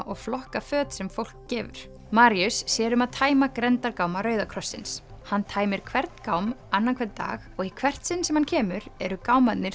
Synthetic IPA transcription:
ʔɔɣflɔhkafœːt̪sɛmfowl̥kcɛːvʏ̰ɾ̥ | maːɾiʏsːjɛːɾʏmaðt̪ʰaːjmakɾɛnt̪aɾkawmaɾœːɥðakʰɾɔsːɪns | hanːt̪ʰaːjmɪɾ̥kʰvɛɾt̪nkaːwmanːankʰvɛɾt̪t̪ːa̰ːɣɔɣikʰvɛr̥t̪sɪnːsɛmhancʰɛːmʏɾɛɾʏkaːwmat̪nɪɾ̥

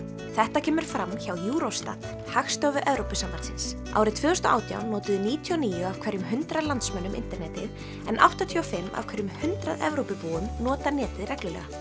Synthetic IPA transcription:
θɛht̪acʰɛːmʏɾ̥fɾamːçawjuːɾost̪a̰t̪ | haxst̪œvʏɾʔɛvɾowpɪsamvaɾt̪sɪns | a̰wɾɪðt̪ʰvʏːðʏst̪ɔʔa̰ːwt̪ja̰wnnːɔːt̪ɪðɪniːt̪ʰiɔniːjʏav̥kʰvɛɾjʏmɦʏnt̪ɾaðlant̪smœnːʏmʔɪ̰nt̪ɛɾnɛːt̪ɪð | ɛnʔa̰wht̪at̪ʰiɔfɪmːa̰v̥kʰɛɾjʏmhʏnt̪ɾaðɛ̰vɾowpɪpuːʏmnɔːt̪anɛːt̪ɪðrɛklʏlɛ̰ːɣa

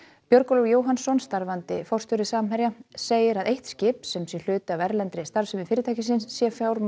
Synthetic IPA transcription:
pjœɾkɔlɔwjoːwɦansɔnst̪aɾvant̪ɪ̰fɔwr̥st̪ɔɾɪsaːmɦɛɾjaseːjɪɾaðejht̪scɪːpsɛmsjɛl̥ʏːt̪ɪavɛɾlɛnt̪ɾɪst̪aɾsʏmɪfɪːɾɪt̪ʰajcɪs̬ɪnsːjɛfjawɾ

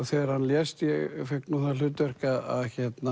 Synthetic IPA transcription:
ɣθɛːɾ̥hanːljɛst̪jɛɣfɛhknuːθalʏːt̪vɛr̥kaða̰ðçɛt̪na

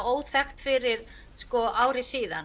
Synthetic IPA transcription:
oːwθɛxt̪fɪɾɪɾ̥ | skɔʔaːwr̥ɪsiːðan

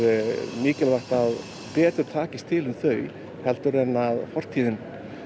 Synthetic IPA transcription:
miːcɪlvaht̪að | pɛːt̪ʏɾ̥t̪ʰaːcɪst̪ʰɪlʏmθœɥ | hɛlt̪ʏɾɛnːaðfɔr̥t̪ʰiːðɪn

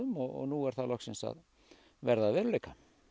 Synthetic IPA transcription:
ʏmɔɔ̰nuɛɾ̥θalɔhksɪnsa̰ð | vɛɾðavɛːɾʏlejka

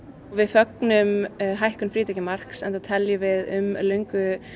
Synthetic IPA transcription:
ɔvɪðfœknʏmɦajhkʏnfɾiːt̪ɛcɪmar̥ksɛnt̪at̪ʰɛljʏvɪðʏmlœɥŋkʏ

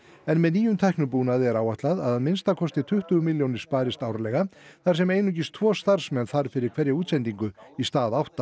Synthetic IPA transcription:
ɛnmɛðniːjʏmt̪ʰajhknʏpuːnaðɛɾawaht̪laðaðanmɪnst̪akʰɔst̪ɪt̪ʰʏht̪ʏmɪljownɪɾ̥spaːɾɪst̪aːwɾalɛɣaθaɾ̥sɛmeːjnʏc̬ɪst̪ʰvɔːst̪aɾ̥smɛnθaɾ̥fɪɾɪɾ̥kʰv̥ɛɾjauːt̪sɛnt̪iŋkʏist̪aːðawht̪a

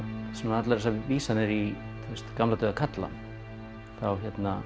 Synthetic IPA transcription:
sɛmanat̪laɾɛsaviːsanːɪɾi | θɛst̪kamlat̪œːðakʰat̪la̰ | θawçɛt̪na

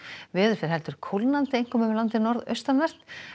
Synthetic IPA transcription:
vɪːðʏɾ̥fɪɾ̥ɦɛlt̪ʏɾ̥kʰowlnant̪ɪejŋ̥kɔːmʏmvɪlant̪ɪnɔɾðœ̰ɥst̪anvɛr̥t̪

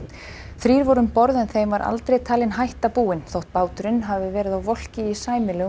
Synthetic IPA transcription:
θɾiːɾvɔɾʏmpɔɾðɛnθejmvaɾʔa̰lt̪ɾejt̪ʰaːlɪnɦajht̪apuːɪnθowht̪̚paːwt̪ʏɾɪnɦavɪvɛːɾɪðawvɔl̥cɪisaːjmɪlɛːɣ

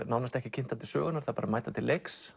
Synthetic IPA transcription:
nawnast̪ɛhcɪcʰɪnt̪at̪ɪ̥sœ̰ːɣʏnaɾθaðpaːɾamaːjt̪at̪ʰɪlːʔeks

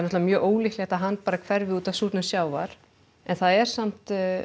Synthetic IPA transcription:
nɔt̪vamjœːʔoːwliklɪɛt̪aðɦanːpaːɾakʰvɛɾvɪuːt̪ḁsuːt̪nʏsjaːwvaɾ̥ | ɛnθaðɛɾ̥sam̥t̪

